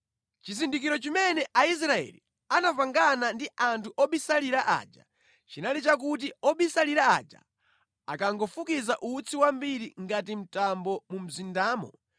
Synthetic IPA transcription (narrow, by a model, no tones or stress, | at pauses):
t͡ʃizindikiɾɔt͡ʃimɛnɛʔais̬ɾaɛ̰lḭ | anapaŋɡanandiʔantʰuʔɔɓisaliɾaʔa̰d͡ʒa | t͡ʃinalit͡ʃak̬ut̬iɔɓisaliɾaad͡ʒa̰ | a̰kaŋɡɔfukizaʔut͡sʰiwambiɾiŋɡat̬im̩tambɔmum̩zindaːmɔ̰